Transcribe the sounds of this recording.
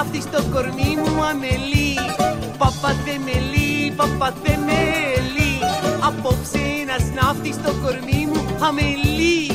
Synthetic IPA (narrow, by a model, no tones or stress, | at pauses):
ft̪it͡ʃt̪okoɾmimũɐmeli | pɐpːɐt̪ːemelipɐpːɐt̪ːemeliɐpːoksenɐsnaːft̪it͡ʃt̪okoɾmiːmuhɐmeli